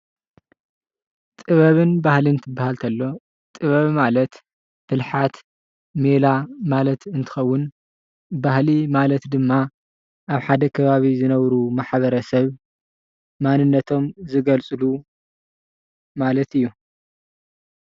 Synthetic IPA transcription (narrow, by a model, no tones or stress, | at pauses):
t̪ʼɨβɐβɨnbahlɨnt̪ʰɨbːahalt̪ʰɐlːo̞ | t̪ʼɨβɐβmalɐt̪ | b̥ɨlħat̪ | melamalɐt̪ɨnt̪ʰɨ̥xɐwːʊn | bahlimalɐt̪d̪ɨmːa | ʔaβħad̪ɐkʰɐβaβizɨnɐβɾumaħβɐɾɐsɐβ | manɨnːɐt̪ʰo̞mzɨɡɐlt͡sʼɨlu | malɐt̪ɨjːu